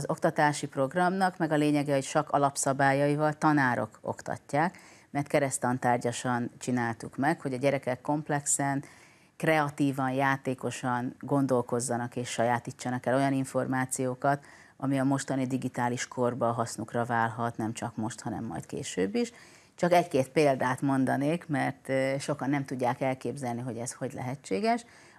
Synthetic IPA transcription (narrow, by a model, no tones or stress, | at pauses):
ɒzo̞kt̪ɒt̪aːʃipro̞ɡrɒmnɒkmɛɡɒleːɲɛɡɛho̞ct͡ʃɒkɒ̰lɒpsɒbaːjɒivɒlt̪ɒnaːɾo̞̰ko̞̰kt̪ɒ̰cːaːkmɛrt̪̚kɛɾɛst̪ɒnt̪aːrɟɒʃɒnt͡ʃinaːlt̪ukmɛkho̞ɟɒɟɛɾɛkɛkːo̞mplɛksɛn | krɛɒt̪iːvɒnjaːt̪eːko̞ʃɒŋɡo̞nd̪o̞lko̞zːɒnɒkeːʃːɒjaːt̪it͡ʃːɒnɒkɛlo̞jɒniɱfo̞rmaːt̪sijoːkɒt̪ | ɒmiɒmo̞ʃt̪ɒnid̪iɡit̪aːliʃkʰorbɒɦɒsnukrɒvaːlɦɒt̪nɛmt͡ʃɒkmo̞ʃt̪hɒnɛ̰mːɒ̰jt̪kḛːʃøːbːiʃ | t͡ʃɒkɛckeːt̪peːld̪aːt̪mo̞nd̪ɒneːkmɛrt̪ːʃo̞kɒnːɛmt̪uɟːaːkɛlkeːbzɛlniɦo̞ɟɛsho̞ɟlɛ̰ɦɛt͡ʃːeːɡɛʃ